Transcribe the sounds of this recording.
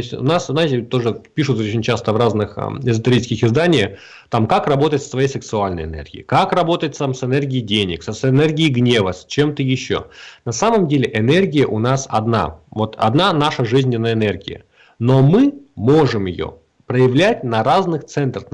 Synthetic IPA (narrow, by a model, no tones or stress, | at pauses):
sʲtʲʊ̰nasznaɪtʲɪt̪o̞ʐɨpʲiʂʊt̪ot͡ɕɪnʲt͡ɕast̪əvraznɨxɪzət̪ɪɾʲit͡ʃskʲɪxɪzd̪anʲɪjəx | t̪amkakrɐbo̞t̪əɪt̪st̪vɐjejsʲɪksʊalʲnə̰jɪnḛrɡʲɪ̰ɪkakrɐbo̞t̪əjɪt̪ʲsamsɨnɛrɡʲɪːdʲenʲɪkssɨnɛrɡʲɪɪɡnʲe̞vəsʲt͡ɕemt̪əjɪɕːo̰nɐsaməmdʲelʲɪʔɪnerɡʲɪjəʔʊnasɐd̪na̰vo̞t̪ʰɐ̰d̪nanaʂəʐɨzʲnʲɪnːəjəɪnerɡʲɪ̰jə̰ | no̞mɨmo̞ʐɨmjɪ̰jo̰ | pɾəjɪvlʲætʲnɐɾaznɨxt̪sɛnt̪ɾəx